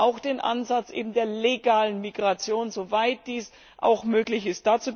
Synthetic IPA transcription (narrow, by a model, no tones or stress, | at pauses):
ʔaʊxd̥eːnʔa̰nzat͡sʔḛːbm̩deːɐleɡaːlənmiɡʁat͡sjoːnzovaɪt̚d̥iːs | ʔa̰ʊxmøːklɪçɪst̚d̥aːt͡suː